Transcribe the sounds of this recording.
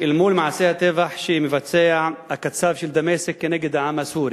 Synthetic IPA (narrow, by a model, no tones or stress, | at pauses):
ʔɪlmuːlmaʕaseːhat̪ɪvaħʃimɪfat͡sːeːʕakːat̪saːfʃɪld̪amesɪkːɪneːɡɪd̪ʕamashuːɾi